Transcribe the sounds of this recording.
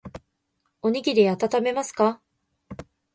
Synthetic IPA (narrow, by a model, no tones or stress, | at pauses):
o̞ɲ̟iɡʲid̪eat̪at̪ame̞masɨ̥ka